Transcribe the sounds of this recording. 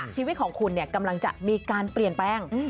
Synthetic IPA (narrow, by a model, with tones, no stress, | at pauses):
aː˨˩ŋt͡ɕʰiː˧wi˦˥t̪̚kʰɔː˩˦ŋkʰu˧nːi˥˩ɐka˧mla˧ŋt͡ɕa̰˨˩miː˧kaː˧npli˨˩ənpɛː˧˥˩ŋ˧